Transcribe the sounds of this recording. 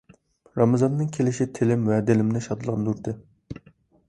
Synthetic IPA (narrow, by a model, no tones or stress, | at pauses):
ɾɑmɑzɑnːɨŋkʲʰelɪʃit̪ʰelɪmwɛd̪elɪmnɪʃɑd̪ɨlˠʁɑnd̪uɾd̪ɨ